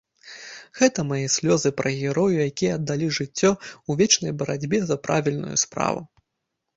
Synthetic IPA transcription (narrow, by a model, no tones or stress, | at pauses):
ɣɛt̪ɐmajɛsʲlʲɔzɨpɾɐɣʲɛɾɔjujakʲijɐːd̪ːalʲiʐɨt͡sʲːɔuvʲɛt͡ʂnɐjbɐɾad͡zʲbʲɛzɐpɾʔavʲilʲnṵjṵspɾa̰vṵ